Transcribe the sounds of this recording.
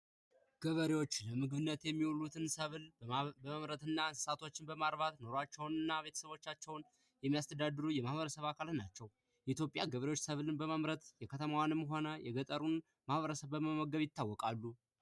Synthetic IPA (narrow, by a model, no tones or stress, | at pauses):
ɡ̥əβəɾewo̞t͡ʃːləmɨɡɨβɨnːət̪jɛmːiwulut̪ʰɨnsəβləməmɾət̪ɨnːansɨ̥sat̪ʰo̞t͡ʃːɪnbəmaɾβat̪no̞ɾoat͡ʃːɛwnɨnːaβe̞t̪ʰə̥səβo̞t͡ʃːat͡ʃːɛwn | jɛmːijast̪ʰəd̪ad̪ɨɾujɛmahβəɾəsəβakʰalnat͡ʃːɛw | jɛit̪ʰjo̞pʼjaɡəβəɾewo̞t͡ʃːsəβlɨnbəmamɾət̪jɛkʰət̪ʰəmawanɨmːɦo̞nəjɛɡət̪ʼəɾun | mahβəɾəsəβbəməməɡəβjɪt̪ʰːawːɔkʼalːu